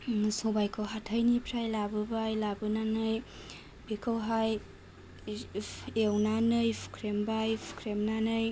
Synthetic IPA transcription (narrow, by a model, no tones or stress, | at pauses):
nɯsobajkʰəwɦatʰəjnipʰɾajlabɯbajlabɯnanɯj | bikʰəwɦaj | ewnanɯjpʰu̥kʰɾembajpʰu̥kʰɾemnanɯj